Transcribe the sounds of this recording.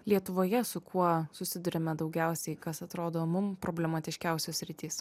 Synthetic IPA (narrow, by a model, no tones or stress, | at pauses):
lʲiɛt̪ʊʋoːjɛsʊkʰuɔsʊsʲɪd̪ʊɾʲɛmʲɛd̪ɒʊɡʲæˑʊsʲɛɪkɐsɐt̪ɾoːd̪oːmʊmpɾoːbʲlʲɛmɐt̪ʲɪʃʲkʲæˑʊsʲoːsʲsʲɾʲɪt̪ʲiːs